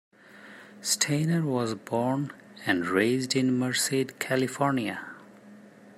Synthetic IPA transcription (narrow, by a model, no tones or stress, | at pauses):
sʈʰẽnəɹwɔzbɔɹn | æ̃nɖɹeɪzdɪ̃nməɹsedkʰælifɔɹniə